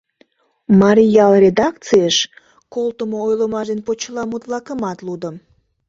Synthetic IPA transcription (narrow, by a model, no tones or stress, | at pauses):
mɑɾijɑlrʲed̪ɑkt͡sijəʃ | kolˠt̪əmoojləmɑʒenpot͡ɕəlɑmut̪lɑkəmɑt̪lud̪əm